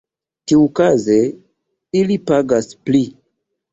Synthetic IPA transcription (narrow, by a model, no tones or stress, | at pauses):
tiukaze | ilipaɡaspli